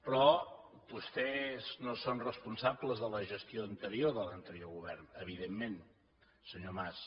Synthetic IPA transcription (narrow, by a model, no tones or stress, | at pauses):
pɾɔ | bust̪ɛznosonrəspunsabləzðələʒəst̪ioənt̪əɾioðələnt̪əɾioɣuβɛrnəβiðemːen | səɲomas